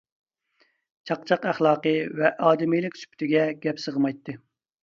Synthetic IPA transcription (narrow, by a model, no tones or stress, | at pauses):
t͡ʃʰɑqt͡ʃʰɑqæχlˠɑːqəvɛʔɑːd̪ɨmijlɪkʲsy̥pʰt̪ʰɪɡʲɛɡʲɛpsəʁəmɑjt̪ʰːɨ